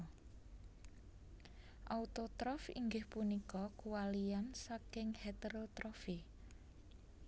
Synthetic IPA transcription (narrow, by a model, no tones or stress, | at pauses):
ʔaut̪ot̪ɾɔfḭŋɡɪhpunikɔkuwaliansakɪŋhet̪eɾot̪ɾɔfi